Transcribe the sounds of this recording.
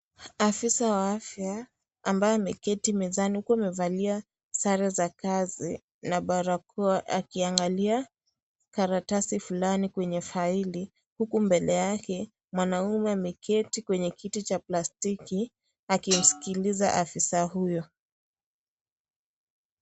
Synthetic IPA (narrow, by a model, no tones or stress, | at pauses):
afisawaafjaː | mbajɔamɛkɛtimɛzanihukuamɛvalia | saɾɛzakazi | naɓaɾakɔʔakiaŋɡalia | kaɾatasifulanikwɛɲɛfaili | hukumbɛlɛjakɛ | mwanaumɛamɛkʰɛtikwɛɲɛkʰitit͡ʃaplastiki | akim̩si̥kiliza̰ʔafisaɦujɔ